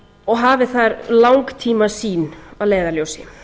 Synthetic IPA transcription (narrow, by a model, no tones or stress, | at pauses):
ɔɣɦaːvɪθaɾlawŋkt̪ʰiːmasiːnaðleːjðaɾljowsɪɪ